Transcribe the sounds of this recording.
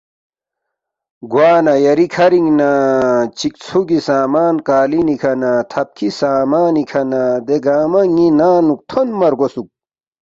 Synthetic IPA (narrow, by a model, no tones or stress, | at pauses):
ɡwaːnajɐɾikʰɐɾiŋnat͡ɕik̚t͡sʰuɡisaːmaːnkaːlinikʰɐnat̪ʰɐp̚kʰisaːmaːnikʰɐnad̪eɡaːmɐŋinaːnuk̚t̪ʰonmɐɾɡosuk̚